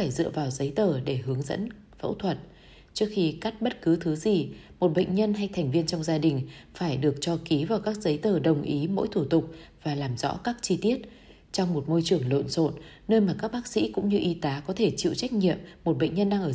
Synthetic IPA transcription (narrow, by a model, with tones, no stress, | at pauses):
aː˧˩jzɨ̰˧˨əvaː˨˩wzə˨˦jt̪əː˨˩ɗe˧˩ɦɨ˨˦əŋzə̰˧˥n | və̰˧˥wt̪ʰwə˨˩t̚ | t͡ɕɨ˦˥ək̚xi˧ka˦˥k̚ɓə˦˥t̚kɨ˨˦t̪ʰɨ˨˦zi˨˩ | mo˨˩t̚ɓə̰˧˨jŋ̟ɲə˧nɦa˧jt̪ʰɛ˨˩ŋ̟vi˧ənt͡ɕɔ˧wŋ͡mzaː˧ɗï˨˩ŋ̟faː˧˩jɗɨ˨˩ək̚t͡ɕɔ˧ki˨˦vaː˨˩wkaː˦˥k̚zə˨˦jt̪əː˨˩ɗə˨˩wŋ͡mʔi˨˦mo̰˧˥jt̪ʰu˧˩t̪ʊ˨˩k͡p̚v̥aː˨˩laː˨˩mzɔ̰˧˥kaː˦˥k̚t͡ɕi˧t̪i˦˥ət̚ | t͡ɕɔ˧wŋ͡mmo˨˩t̚mo˧jt͡ɕɨ˨˧˩əŋlo̰˧˨nso̰˧˨n | nəː˧jmaː˨˩kaː˦˥k̚ɓaː˦˥k̚sḭ˧˥kʊ̰˧˥ŋ͡mɲɨ˧ʔi˧t̪aː˨˦kɔ˨˦t̪ʰe˧˩t͡ɕḭ˧˨wt͡ɕa˦˥jk̟̚ɲḭ˧˨əmːo˨˩t̚ɓə̰˧˨jŋ̟ɲə˧nɗaː˧ŋʔəː˧˩